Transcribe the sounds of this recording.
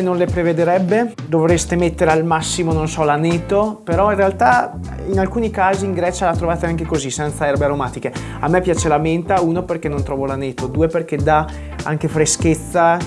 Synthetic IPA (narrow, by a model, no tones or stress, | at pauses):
nonlepɾeved̪eɾɛbːe | d̪ovɾest̪emet̪ːeɾealmasːimononsɔlaneːt̪opeɾɔinrealt̪a | inalkuːnikaːziːŋɡɾɛːt͡ʃalat̪ːɾovaːt̪eaŋkekozisɛnt̪saɛrbeaɾomaːt̪ike | amːɛpːjaːt͡ʃelament̪auːnoperkenːont̪ɾɔːvolaneːt̪od̪uːeperk̟ed̪a | aŋkefɾesket̪sːa